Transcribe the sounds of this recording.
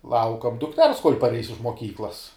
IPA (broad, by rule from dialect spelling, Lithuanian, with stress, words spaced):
ˈlˠɐʊkɐm dʊkˈtʲɛrs koːlʲ pɐrʲˈɛɪs ɪʃ moːˈkʲiːklˠɐs